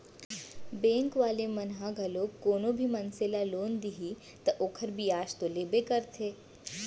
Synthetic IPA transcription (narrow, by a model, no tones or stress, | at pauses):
bẽːŋkʋaːlemɐnɦaɡʱɐlokoːnobʱimɐnselaloːnd̪iɦi | t̪ɐʔoːkʰəɾbiaːʃt̪oleːbekəɾt̪ʰeː